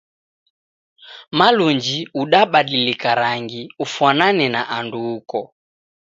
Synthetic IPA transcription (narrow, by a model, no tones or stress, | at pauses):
maluɲd͡ʒiuɗaɓaɗilikaɾaŋɡiufwananɛnaʔanduːkɔ